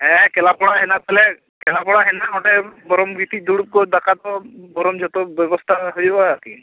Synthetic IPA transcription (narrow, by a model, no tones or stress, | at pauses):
ɛ̃kɛlapɔɽaɦɛnat̪alɛ | kɛlapɔɽaɦɛnaɡɔʈɛbɔɾɔmɡit̪iˀd̪uɽup̚kɔd̪akat̪ɔbɔɾɔmd͡ʒɔt̪ɔbɔbɔst̪ʰaɦojbɔaki